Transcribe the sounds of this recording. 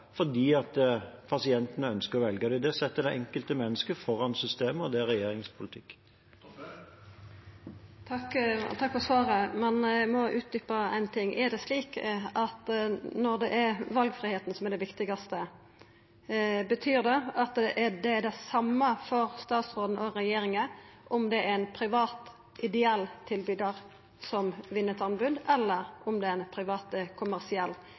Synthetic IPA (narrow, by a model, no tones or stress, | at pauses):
fɔd̪iːɑt̪pʰɑsɪɛnt̪ənəœnskəɾɔʋɛlɡəd̪ɛd̪ɛsɛt̪ːəd̪ɛʔɛŋkəlt̪əmɛnːəskəfɔʁɑnsʏst̪eːməɔd̪ɛæɾɛjeːɾɪŋspʰʊlɪt̪ʰɪkː | t̪ʰɑkfɔʁsʋɑːɾəmɛnmɔʔʉːt̪̚d̪ʏpɑæɪnt̪ʰɪŋːʔɛd̪ɛsliːkɑt̪nɔɾd̪ɛʔæɾʋɑlɡfɾɪheːt̪n̩sɔmɛɾdɖ̪ɛʋɪkt̪ɪɡɑst̪ə | bət̪ʰyːɾd̪ɛɑt̪d̪ɛʔɛd̪ɛɖ̪æsɑmːəfɔɾst̪ɑːt̪sɾoːd̪n̩ɔɾɛjeːɾɪŋəʔɔmd̪ɛæɾænpʰɾɪʋɑːt̪ | ʔɪd̪ɛɛlːt̪ʰːɪlbyːd̪əɾ | sɔmʋɪnːət̪ʰɑnbʉd̪ɛlːəɾɔmd̪ɛnpʰɾɪʋɑːt̪əkʰʊmæɾsɪɛlː